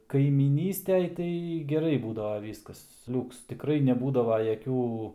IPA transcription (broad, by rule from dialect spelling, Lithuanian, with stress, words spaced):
kɐɪmʲiːˈnʲiːsʲtʲɛj ˈtɐɪ ɡʲɛˈrɐɪ ˈbuːdɐʋɐ ˈʋʲiːskɐs ˈlʲuːks tʲɪkˈrɐɪ nʲɛˈbuːdɐʋɐ jɛˈkʲuː